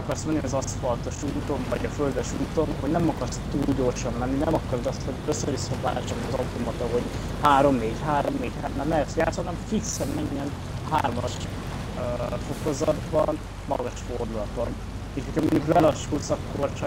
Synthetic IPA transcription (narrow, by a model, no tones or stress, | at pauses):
ɒkɒrsmɛnːiɒzɒspɒlt̪o̞ʃuːt̪o̞nvɒɟɒfø̞ld̪ɛʃuːt̪o̞nho̞ɟnɛmɒkɒrst̪uːlɟo̞ːrʃɒnlɛnːinɛmɒkɒrd̪ɒst̪ho̞ɟøsːøɾvisonva̰ːt͡ʃɒniɒzɒwt̪omɒt̪oɦo̞ɟ | haːɾo̞mneːɟhaːɾo̞mneːɟhaːnːanɛɛsjaːt̪shnɛmfiksɛnmɛɲːɛn | ɦaːrmɒʃ | fo̞ko̞zɒd̪bɒn | mɒ̰ɡɒʃford̪ulɒt̪on | eːʃhocʰɒmoɲɟukbɛlɒʃkuːsɒkːort͡ʃɒ